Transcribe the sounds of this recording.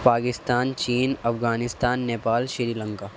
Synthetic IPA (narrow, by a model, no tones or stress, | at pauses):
paːkɪst̪aːnt͡ʃiːnɐfɡaːnɪst̪aːnːeːpaːlʃɪɾiːlə̃ŋkaː